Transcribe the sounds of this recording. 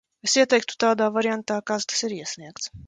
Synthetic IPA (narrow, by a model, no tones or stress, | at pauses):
esiɛt̪ɛjk̚t̪u̥t̪aːd̪aːvaɾjant̪aːkast̪ḁsiɾiɛsniɛkt̪s